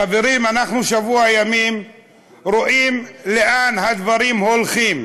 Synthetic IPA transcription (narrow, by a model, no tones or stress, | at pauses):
aveɾimanaχnuʃavuajamim | ɾoʔimleʔanhad̪vaɾimho̞lχim